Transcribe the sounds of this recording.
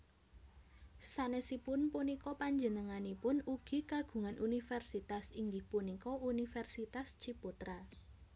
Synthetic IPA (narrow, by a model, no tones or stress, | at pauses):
sanɛsipʊnpunikɔpaɲd͡ʒənəŋanipʊnuɡ̥i̤kaɡ̥ṳŋanʔunifɛrsit̪asiŋɡihpunikɔunifɛrsit̪ast͡ʃiput̪ɾa